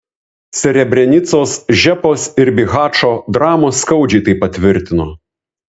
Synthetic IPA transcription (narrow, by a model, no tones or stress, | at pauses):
sʲɛɾʲɛbʲɾʲɛnʲɪt̪soːsʒʲɛpoːsɪɾbʲɪɣɑːt͡ʃoːd̪ɾɑːmoːsːkɐʊd͡ʒʲɛɪt̪ɐɪpɐt̪ʲʋʲɪɾʲt̪ʲɪnoː